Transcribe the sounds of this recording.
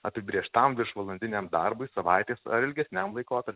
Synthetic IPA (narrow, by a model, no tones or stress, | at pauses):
ɐpʲɪbʲɾʲiɛʃt̪ɐmʋʲɪɾʃʋɐlˠɐnʲd̪ʲɪnʲeːmd̪ɐɾbʊɪsɐʋɐɪt̪ʲeːsɐ̰ɾɪlʲɡʲɛsʲnʲɛmlˠɐɪkoːt̪ɐɾʲpʲ